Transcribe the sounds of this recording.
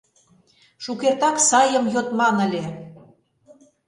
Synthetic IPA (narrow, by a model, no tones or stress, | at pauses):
ʃukert̪ɑksɑjə̆mjot̪mɑnə̆lʲe